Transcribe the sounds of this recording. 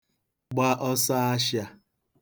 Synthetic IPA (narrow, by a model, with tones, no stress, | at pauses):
ɡ͡ba˦ʔɔ˦sa˦a˦ʃja˦